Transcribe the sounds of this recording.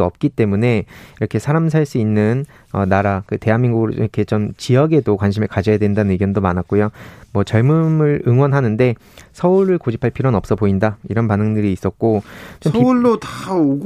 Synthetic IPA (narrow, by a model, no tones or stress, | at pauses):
ʌp̚k͈it͈e̞mune̞iɾʌkʰe̞sʰaɾams̬ʰaɭs͈uinːɯn | ʌnaɾakɯte̞ɦanmiŋɡuɡɯɾoḭɾʌkʰe̞t͡ɕomt͡ɕiʌɡe̞dokwanɕʰimeɭkad͡ʑʌjadwe̞ndanɯnɯɡjʌndomanat̚k͈ojomʌt͡ɕʌɭmɯmɯɭɯŋwʌnɦanɯnde̞ | sʰʌuɾɯɭkod͡ʑʰipʰaɭpʰiɾonʌp̚s͈ʌboindaiɾʌnpanɯŋdɯɾiːs͈ʌt̚k͈ot͡ɕomiuɭːotaoɡ